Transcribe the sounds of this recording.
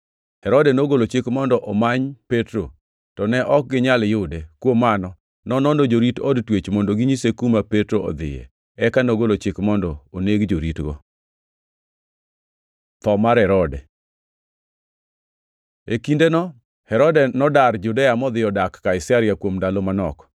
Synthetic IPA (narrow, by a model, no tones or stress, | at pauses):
hɛɾɔdɛnoɡolot͡ʃɪkmɔndɔʔɔmaɲpetɾo | tɔnɛʔɔk̚ɡɪɲaljʊdekwomːanɔ | nɔnɔnod͡ʒoɾitɔdtwet͡ʃmondoɡiɲisekumapetɾoɔ̰d̪ɪ̰jɛ̰ | ɛkanoɡolot͡ʃɪkmɔndɔoneɡd͡ʒoɾitɡɔ̰ | t̪ɔmaɾɛɾɔdɛ̰ | ekindenɔ | hɛɾɔdɛnɔdard͡ʒudɛjamɔd̪ɪɔdakːaɪsaɾɪjakwomdalomanɔ̰kɔ̥